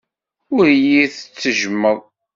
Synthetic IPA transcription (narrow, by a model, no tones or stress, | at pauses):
ʊɾjiθət͡sːəʒəmːəðˤ